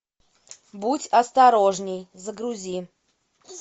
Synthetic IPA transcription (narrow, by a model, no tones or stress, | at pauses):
butʲɐst̪ɐɾoʐnʲɪjzəɡɾʊzʲi